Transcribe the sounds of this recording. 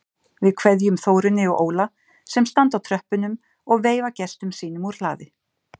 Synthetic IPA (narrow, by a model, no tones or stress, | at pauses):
vɪðkʰvɛðjʏmθoːwɾɪnːɪɔɣʔoːwla | sɛmst̪ant̪awt̪ʰɾœhpʏnʏm | ɔɣveːjvacɛst̪ʏmsiːnʏmuɾ̥la̰ːðɪ